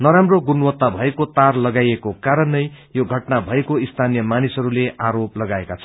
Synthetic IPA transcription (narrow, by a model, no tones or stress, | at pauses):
nʌɾamroɡunwʌt̪ːabʱʌekot̪arlʌɡajekokaɾʌnːʌj | joɡʱʌʈnabʱʌekoist̪ʰanijʌmanisɦʌɾuleʔaɾoplʌɡaekat͡sʰʌ̥